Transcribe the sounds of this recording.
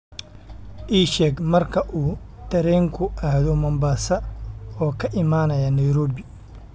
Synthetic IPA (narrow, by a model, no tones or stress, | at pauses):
ʔiːʃɛːɡmɐrkʰɐʔuː | t̪ʰɐɾɛːŋkʰʊʔahðɔmɐmbaːsɐɔːkʰɐʔɪmaːnɐjɐnɐjɾɔːbɪ